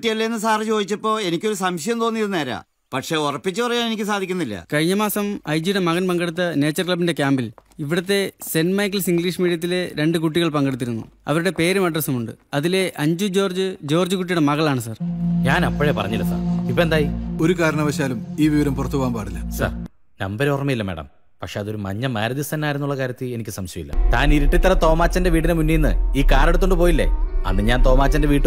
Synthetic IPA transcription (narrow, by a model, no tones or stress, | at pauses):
ʈːijɐlːeenːɨs̬aːrt͡ɕo̞ːd̪it͡ɕːɐpːo̞ːe̞nikʲːo̞ɾusɐmɕɐjɐmt̪o̞ːnːijðɨneːɾa̰ː | pɐʈʂe̞ːurɐpːit͡ɕːɨpɐrɐjaːne̞nikʲːɨsaːd̪ʱikʲːunːilːɐ̰kɐjɲːɐmaːsɐmɐjd͡ʑiɽemɐɣɐnpɐŋɡeɽut̪ːɐne̞ːt͡ɕːɐrkɭɐbːinde̞kʲjaːmbiliʋiɽɐt̪̬ːe̞se̞nmɐjkɐlsiŋɡɭiːʂmiːɽijɐt̪̬ːile̞ɾe̞ɳɖɨkuʈ̬ːiɣɐɭpɐŋɡe̞ɽut̪ːiɾunːṵɐ̰ʋɐɾuɽe̞pe̞ːɾumɐɖrɐsɐmuɳɖɨɐðile̞ʔɐɲd͡ʑud͡ʑo̞ːrd͡ʑɨd͡ʑo̞ːrd͡ʑɨkuʈːijuɽemɐɣɐɭaːɳɨsaːrɲaːnɐpːoɐɻepɐrɐ̰ɲːilːɐsa̰ːripːoend̪aːjio̞ɾukaːɾɐɳɐʋɐɕaːlumiːʋiʋɐɾɐmpurɐt̪ːuʋaːmpaːɽilːɐsa̰ːr | nɐ̰mbɐɾorɐmɐjilːɐmeːɽɐ̰m | pɐkʂeɐðo̞ɾumɐ̰ɲːɐmeːɾɐðist̪ɐnːaːjiɾunːuɭːɐkaːɾjɐt̪ːɨle̞nikʲːɨsɐmɕjɐjḭlːɐ̰t̪a̰ːniɾiʈːit̪ːɐɾɐt̪o̞ːmaːt͡ɕːɐnde̞ʋiːʈːinɨmunːijnːɨ̰iːkaːɾeɽut̪ːoɳɖɨpo̞ːjilːḛɐ̰nːɨɲaːnt̪o̞ːmaːt͡ɕːɐndeʋiːʈːu